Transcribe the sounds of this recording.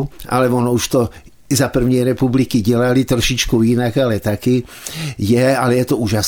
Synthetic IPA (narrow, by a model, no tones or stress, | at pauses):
ʔa̰lɛʋɔnɔuʃt̪ɔ | zapr̩ʋɲɛɾɛpublikiɟɛlalit̪rɔʃit͡ʃkuinaɡalɛt̪aki | jɛalɛjɛt̪ɔuːʒas